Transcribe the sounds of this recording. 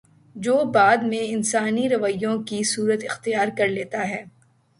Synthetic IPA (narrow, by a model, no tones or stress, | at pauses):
d͡ʒoːbaːd̪mẽɪnsaːniɾɐʋəjːõkisuːɾət̪ɪxt̪ijaːɾkɐɾleːt̪aɦɛː